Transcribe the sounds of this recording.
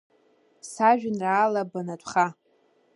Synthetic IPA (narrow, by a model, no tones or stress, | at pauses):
saʒᶣɪnraːlabanatʷʼχa